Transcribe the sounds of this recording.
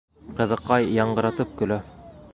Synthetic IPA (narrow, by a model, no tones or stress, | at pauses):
qɤ̆ðɤ̆qːɑjːɑɴɢɤ̆ɾɑt̪ɤp̚kɵ̆læ